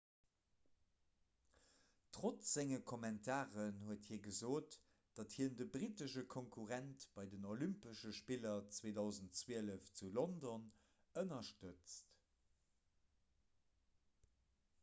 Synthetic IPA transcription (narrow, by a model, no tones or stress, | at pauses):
tʁot͡sz̥eŋəkʰomɛntʰaːʁənhuəthiːɐɡəzoːt | d̥ɑthiɐndəbʁitəʃəkʰoŋkʰuʁæntb̥ɑɪdənolympəʃəʃpilɐt͡sweːdɑʊzəntt͡swiːələft͡sulondon | ənɐʃtət͡st